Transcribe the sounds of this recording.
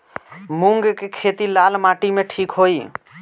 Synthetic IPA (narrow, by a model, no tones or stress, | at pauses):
mʊ̃ŋɡkekʰeːt̪ilaːlmaːʈimẽʈʰiːkɦoːiː